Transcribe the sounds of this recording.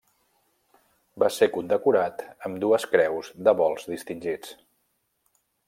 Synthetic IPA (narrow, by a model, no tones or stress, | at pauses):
basekund̪əkuɾat̪əmd̪uəskɾɛwzd̪əβɔlˠzdist̪inʲʒit͡s